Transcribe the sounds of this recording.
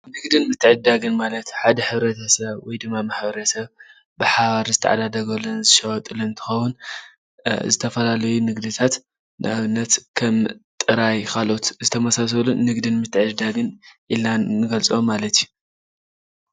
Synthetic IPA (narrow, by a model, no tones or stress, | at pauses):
nɨɡd̪ɨnmɨt̪ʰːɨʕd̪aɡɨnmalɐt̪ħad̪ɐħɨβɾɐt̪ʰɐsɐβwɔjd̪ɨmːamaħbɐɾɐsɐβ | bɨħaβaɾizɨt̪ʰɐ̰ʕa̰d̪ad̪ɐɡɐlːɐnzɨʃɐwɐt̪ʼɨloɨnt̪ʰɨ̥xɐwun | zɨt̪ʰɐfɐlalɐjunɨɡd̪ɨt̪ʰat̪ | nɨ̰ʔaβɨnːɐt̪kʰɐmt̪ʼɨɾajkʰalo̞t̪zɨt̪ʰɐmɐsas̬ɐluːɨɡd̪ɨnmɨt̪ːɨʕɨd̪aɡɨnʔilnanɨɡɐlt͡sʼomːalɐt̪ju